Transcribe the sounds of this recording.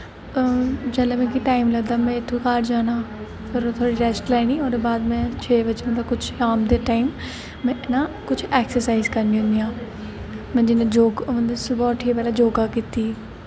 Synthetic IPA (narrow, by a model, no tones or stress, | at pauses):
d͡ʒɛlemɛ̃ːk̬iʈaːɪmləɡd̪aːmɛ̃ːɪt̪ʰːokaːʈd͡ʒaːnaː | pəɾot̪ʰoːɽiːɾɛːsʈlɛːñiːoːɾbaːd̪mɛ̃ːt͡ʃʰeːbət͡ʃːd̪aːkʊt͡ʃʰaːmd̪eːʈaːɪm | mɛ̃ːɪnaːkʊt͡ʃʰɛːksəɾsaːizkəɾnĩɦʊ̃nd̪ijãː | mɛ̃ːd͡ʒɪnẽːd͡ʒoːɡʊ̃nd̪asbɔːʈʰiepɛːlaːd͡ʒoːɡaːkiːt̪iː